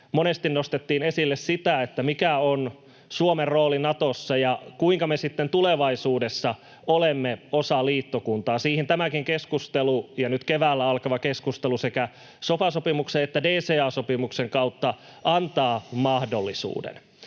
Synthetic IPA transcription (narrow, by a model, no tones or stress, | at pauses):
monest̪innost̪et̪ːiːnesilːessit̪æet̪ːæmikæon | suomerːoːlinɑt̪osːɑjɑkuiŋkɑmesit̪ːent̪uleʋɑisuːdesːɑ | olemːeosɑliːt̪ːokunt̪ɑːsiːhint̪æmækiŋkeskust̪elujɑnyt̪keʋæːlːæɑlkɑʋɑkeskust̪elusekæ | sopɑsopimukseet̪ːædeːseːɑːsopimukseŋkɑut̪ːɑ | ʔɑnt̪ɑːmɑhdolːisṵːdḛn